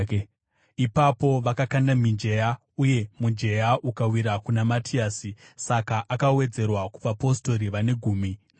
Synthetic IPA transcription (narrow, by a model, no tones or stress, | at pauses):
ipapo̞ʋakakandamind͡ʒe̞ja | uje̞mund͡ʒe̞jaʔukawiɾakunamatʰiaːsisakaʔakawe̞d͡ze̞rwaku̥ʋapo̞sto̞ɾiʋane̞ɡʱuːmi